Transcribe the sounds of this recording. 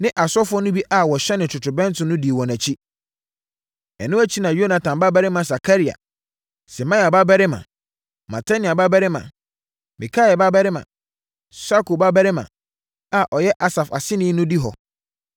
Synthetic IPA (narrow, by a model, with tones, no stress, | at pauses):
nɪ̃˦ʔa˨sɔ˦fʊ˦ɔ˦nʊ̃˦bi˦ʔa˨wɔ˨ɕɛ˦nɪ̃˨tʰʊ˨tʰʊ˨bɛ̃˦n˦tʰʊ̃˦nʊ̃˦di˨wɔ̃˨næ˨t͡ɕʰi˦ | ɛ̰˨nʊ̃˦æ˦t͡ɕʰi˦nã˨jo˦na˨tʰã˨mba˦bɛ˦ɾɪ˦mã˨s̬a˨kʰa˦ɾi˨a̰˨ | sɪ˨mã˦ja˨ba˦bɛ˦ɾɪ˦mã̰˨ | ma̰˨tʰa˦nĩ˨a˨ba˦bɛ˦ɾɪ˦mã̰˨ | mĩ˨kʰa˦ɛ˨ba˦bɛ˦ɾɪ˦mã̰˨ | sa˦ko˨ba˦bɛ˦ɾɪ˦mã̰˨ | a˨ʔɔ˨jɛ˦ʔa˦sa˨fa̰˨sɪ˦nɪ̃˦nʊ̃˦di˦ɦɔ̰˨